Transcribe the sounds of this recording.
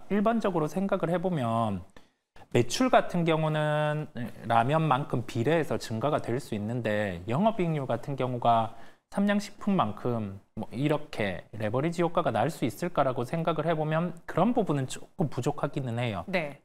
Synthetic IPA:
iɭband͡ʑʌɡɯɾosʰe̞ŋɡaɡɯɭhe̞bomjʌn | me̞t͡ɕʰuɭɡatʰɯnɡjʌŋunɯnɾamjʌnmankʰɯmpiɾe̞ːsʰʌt͡ɕɯŋɡaɡadwe̞ɭs͈uinːɯnde̞jʌŋɦʌbiŋɲuɡatʰɯnkjʌŋuɡa | sʰamɲʌŋɕʰi̥pʰunmankʰɯmːʌiɾʌkʰe̞̰ɾe̞bʌɾid͡ʑijok͈aɡanaɭs͈uis͈ɯɭk͈aɾaɡosʰe̞ŋɡaɡɯɭhe̞bomjʌnkɯɾʌnbubunɯnt͡ɕ͈ok͈ɯmpud͡ʑokʰaɡinɯnɦe̞jone

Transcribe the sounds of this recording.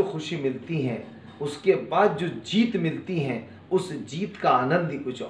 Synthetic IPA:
oxʊʃimɪlt̪iɦɛ̰̃ | ʊskebaːd̪̚d͡ʒoːd͡ʒiːt̪mɪlt̪iɦɛ̃ | ʊsd͡ʒiːt̪kaaːnə̃nd̪ikʊt͡ʃʰː

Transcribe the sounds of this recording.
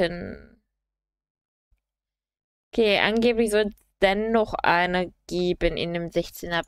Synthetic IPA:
ən | kʰeːʔa̰nɡeːplɪçz̥ɔlsd̥ɛnːɔχʔa̰ɪnəɡ̥eːbənɪ̰ndeːmzɛçt͡senɐ

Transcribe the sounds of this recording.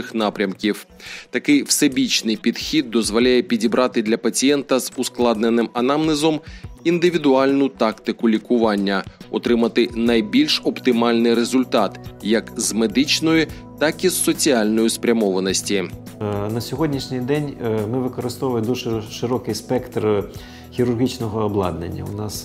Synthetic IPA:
ɪxnɑpɾʲɐmkʲiw | t̪ɐkɪjwsɛbʲit͡ʃnɪjpʲid̪̥xʲid̪̚ːɔzʋɔlʲajɛpʲidʲibɾʔɑt̪ɪd̪lʲɐpɐt͡sʲijɛnt̪ɐzʊsklˠɑd̪nenɪmɐnɑmnɪzɔmind̪ɪʋʲid̪ʊɑlʲnʊt̪ɑkt̪ɪkʊlʲikʊʋɑnʲːɐɔt̪ɾɪmɐt̪ɪnɐjbʲilʲʃɔpt̪ɪmɑlʲnɪjɾezʊlʲt̪ɑt̪jɐkzmed̪ɪt͡ʃnɔji | t̪ɑkizːɔt͡sʲiɑlʲnɔjʊspɾʲɐmɔʋɐnɔsʲtʲi | nɐsʲɔɦɔdʲnʲiʃnʲɪjd̪ɛnʲmɪʋɪkɔɾɪst̪ɔʋɐlˠɪd̪uʒɛʃɪɾɔkɪjspɛkt̪r | xʲiɾʊrɦʲit͡ʃnɔɦɔːblˠɑ̰d̪nḛnʲːɐ̰ʊnɑs

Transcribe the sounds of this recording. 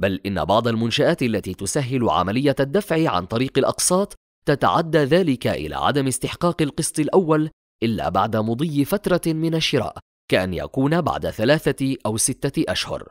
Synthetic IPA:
balʔɪnːa̰bɑʕd̪ˤɑlmʊnʃaʔaːt̪alːat̪iːt̪ʊsaɦːɪlʊʕa̰malɪjːaad̪ːafʕiʕa̰nt̪ˤɑɾiːqɑlʔɑ̰qsˤɑːt̪ˤː | at̪a̰ʕad̪ːaːðaːlɪkaʔɪ̰la̰ːʕa̰d̪amɪst̪ɪħqɑːqɪlqɨsˤt̪ˤɨlʔawːal | ʔɪlːa̰ːba̰ʕd̪amʊd̪ˤijːɪfat̪ɾˤɑmɪnaʃːɪɾa̰ːʔ | kaʔanja̰kuːnaba̰ʕd̪aθalaːθaʔawsɪt̪ːaʔaʃhʊ̰ɾˤ

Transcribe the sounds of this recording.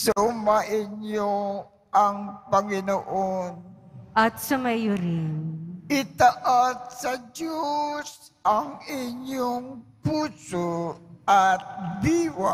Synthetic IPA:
sɐʔʊmaʔɪɲjo | ʔɐŋpɐŋɪnoʔonʔɐt̪sɐmɐjoɾɪnʔɪt̪ɐʔat̪̚sɐdjos | ʔɐŋɪɲjoŋpuːsoʔɐt̪̚biwa

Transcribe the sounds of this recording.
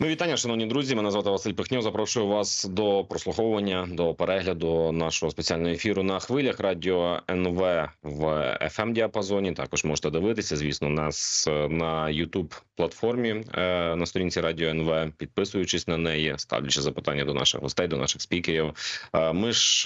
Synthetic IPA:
mɪʋʲit̪ɑnʲːɐʃɐnɔwnʲid̪ɾuzʲimɪnɐzʋɑt̪ɪʋɐsɪlʲpɪxnʲɔzɐpɾɔʃʊjʊʋɑsd̪ɔpɾɔsˠʊxɔwʋɐnʲːɐd̪ɔpeɾɛɦlʲɐd̪ʊnɑʃɔɦɔspet͡sʲialʲnɦɔefʲiɾʊnɐxʋɪlʲɐxrɑdʲiɔɛnʋɛʋɛ̰fɛmdʲiɐpɐzɔnʲit̪ɑ̰kɔʒmɔʒɛ̥t̪ɛd̪ɪʋɪt̪ɪsʲɐzʲʋʲisnɔnɑsnɐjʊt̪ubplˠɐt̪fɔrmʲinɐst̪ɔɾinʲt͡sʲiɾɑdʲiɔɛnʋɛpʲid̪̚pɪsʊjʊt͡ʃɪsʲnɐnɛjɛst̪ɑ̰ʋlʲʊt͡ʃɪzɐpɪ̥t̪ɑ̰nʲːɐd̪ɔnɑ̰ʃɪ̰ɣɦɔ̰st̪ɛjd̪ɔnɑ̰ʃɪxspʲikeɾʲiwmɪʒ

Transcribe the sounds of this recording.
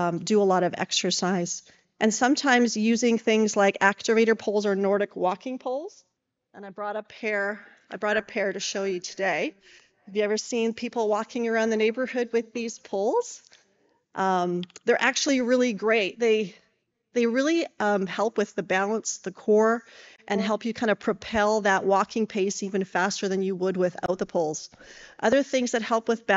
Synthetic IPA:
dɨəlɔɾʌvɛ̰ksə˞saɪz̥ | ʔɨ̃nsʌ̃mtʰãɪ̃mzjʉzɪ̃ŋθɪ̃ŋzlaɪkæk̚tɨveɪɾə˞pʰʊlˠzə˞nɔɹɾɨkwɔkʰɪ̃ŋpʰʊlˠz̥ | ʔə̃ñaɪbɹɔɾəpʰɛɹ | ʔaɪbɹɔɾɨpʰɛɹɾɨʃoʊjɨɾʰɨdeɪ | hævjɨɛvə˞sĩnpʰipl̩ˠwɔkʰɪ̃ŋə˞ãʊ̃nðɨneɪbə˞hʊd̚wɨðiz̥pʰʊlˠz̥ | ʔʌ̃mðə˞ʔæk̚t͡ʃʉl̩ˠiɹɪlˠiɡɹeɪt̪̚ðeɪ | ðeɪɹɪlˠiʌ̃mhɛlˠpwɨðɨbælˠə̃nsðɨkʰɔɹʔɨ̃nɦɛlˠpjɨkʰãɪ̃ndɨ̥pʰɹ̥ɨpʰɛlˠðəʔ̚wɔkʰɪ̃ŋpʰeɪsivɨ̃nfæstə˞ðɨ̃njɨwəd̚wɪða̰ʊt̪̚ðəpʰʊlˠz̥ʔʌðə˞θɪ̃ŋzðɨt̚hɛlˠpwɨðbæ

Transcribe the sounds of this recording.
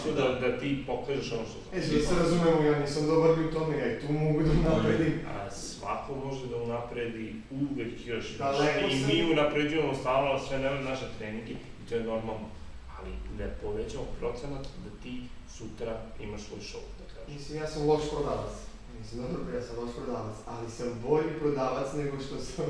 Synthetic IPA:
smod̪ad̪at̪ipo̞kaːʒeʃonoʃt̪osaeiseɾazumemojanisɐmd̪obɾliut̪omejait̪umoɡud̪ɐunapɾed̪iasʋa̰komo̞ʒed̪aunapɾed̪i | uʋekjoʃt̪aimiunapɾed͡ʑujamost̪anoalsʋenemamnaʃet̪ɾeniŋɡe | it̪o̞jeno̞ɾmalˠno | alid̪apoʋet͡ɕamopɾo̞t̪senat̪d̪at̪iː | sut̪ɾaimaʃsʋo̞jʃo̰wd̪akaːʒmislimjaːsamlˠo̞ʃpɾod̪aːʋat̪s | misimd̪obɾbijaːsamloʃpɾod̪aːʋat̪salisambo̞ʎipɾod̪aːʋat̪sneɡo̞ʃt̪osam

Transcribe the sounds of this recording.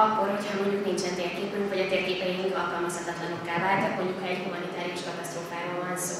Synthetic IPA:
ɒkːorhochɒmoɲɟuknint͡ʃɛnt̪eːrkeːpynfoɟɒt̪eːrkeːpɛjiiŋɡɒlkɒlmɒshɒt̪ɒt̪lɒno̞kːaːvaːrt̪ɒkmoɲɟukhɒɛɟhumɒnit̪aːɾiuʃkɒt̪ɒst̪roːfaːɾoːlvɒnsoː

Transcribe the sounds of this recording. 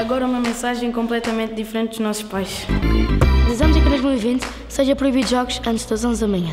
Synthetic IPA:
ɐɣɔɾɐumɐmẽsaʒẽj̃kõmplˠɛt̪ɐmẽnt̪̚d̪ifɾẽnt̪̚d̪uʒnɔsu̥ʃpajʃ | ðizɐmuzɐkimeʒmilˠivĩnt̪ | seʒɐpɾuiβiðʒɔɣuʃɐ̃nt̪ʒd̪ɐzõzðɐmɐɲɐ̃

